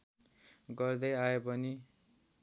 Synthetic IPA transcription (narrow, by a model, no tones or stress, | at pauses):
ɡʌrd̪ʌjaepʌni